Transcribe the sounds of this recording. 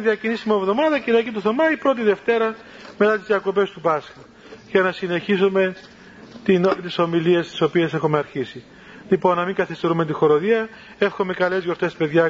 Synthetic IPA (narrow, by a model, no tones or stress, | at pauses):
ðiɐcinisimiovðo̞mɐðɐciɾɐcit̪uθomɐipɾo̞t̪̬iðe̞ft̪e̞ɾɐ | me̞t̪ɐt̪izðiɐko̞p̬e̞st̪upɐsxɐ | ʝɐnɐsine̞çisome̞ | t̪int̪iso̞milie̞st̪i̥so̞pie̞se̞xomeɐɾçisi | lipo̞nːɐmiŋɡɐθist̪e̞ɾumet̪̬ixo̞ɾoðiɐ | e̞fxo̞me̞kɐle̞zʝo̞ɾt̪e̞spe̞ðʝɐ